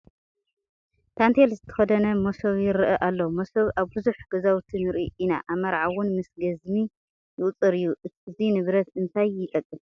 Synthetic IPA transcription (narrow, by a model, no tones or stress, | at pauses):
t̪ʰant̪ʰelzɨt̪ʰɐ̥xɐd̪ɐnɐmosoβjɪɾʔɐʔalːomosɐβʔaβbɨzuħɡ̥ɐzawt̪ʰinɨɾiʔina̰ʔaβmɐɾʕawʊnmɨsɡɐzmi | jɪʔʼt͡sʼɨɾɨjːuɨzinɨβɾɐt̪ɨnt̪ʰajːɪt̪ʼɐkʼːɨs